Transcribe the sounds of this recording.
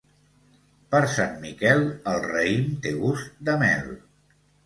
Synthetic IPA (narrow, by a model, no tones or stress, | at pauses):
pəɾsanmikɛlˠəlˠrəimt̪eɣust̪d̪əmɛ̰l